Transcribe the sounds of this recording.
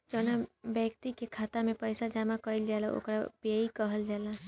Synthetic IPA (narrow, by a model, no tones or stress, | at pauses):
d͡ʒəːnabəkt̪ikekʰaːt̪amẽpəɪsad͡ʒamakəild͡ʒalao̰ːkɾapeikəɦəld͡ʒaːla